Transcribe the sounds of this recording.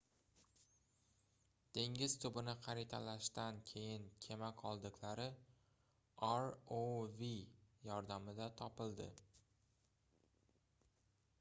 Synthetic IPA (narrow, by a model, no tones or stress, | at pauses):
d̪̥e̞ŋʲɪz̥t̪ʰʊbɪnɪqʰɑɾɪt̪ʰalaʃt̪ankʲʰe̞jɪnkʲʰe̞makʰɒlˠd̪ɪklaɾɪ | aɾovijɒɾd̪amɪd̪at̪ʰɒpɪld̪ɪ